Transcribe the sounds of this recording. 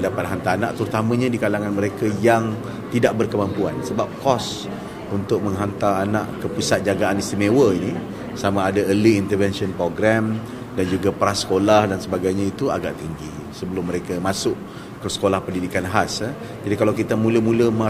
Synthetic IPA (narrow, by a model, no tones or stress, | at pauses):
dapat̪̚ɦant̪aana̰ʔt̪əɾut̪amə̃ɲãdikalaŋanməɾekajaŋ | t̪idaʔ̚bərkəmampuansəbap̚kɔs | unt̪ʊk̚mə̃ŋɦant̪aana̰ʔkəpusat̪̚d͡ʒaɡaʔanist̪imewəini | samaːdaəliːnt̪əvɛnsiɔnpɾoɡɾam | dand͡ʒuɡapəɾasːə̥kolahdansəbaɡajɲãit̪ua̰ɡa̰ʔt̪iŋɡi | səbəlʊmːəɾekamasʊk̚ | kːəsə̥kolahpəndidikanɦasə | d͡ʒadikalawkit̪amũləmũləma